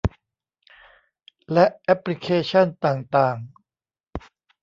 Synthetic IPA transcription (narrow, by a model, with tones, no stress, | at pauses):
lɛ˦˥ʔʔɛ˦˥pli˦˥kʰeː˧˥t͡ɕʰa˥˩nt̪aː˨˩ŋt̪aː˨˩ŋ